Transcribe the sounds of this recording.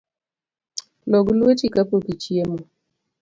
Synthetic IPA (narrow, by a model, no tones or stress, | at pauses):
loɡulwet͡ʃikapokit͡ʃiemo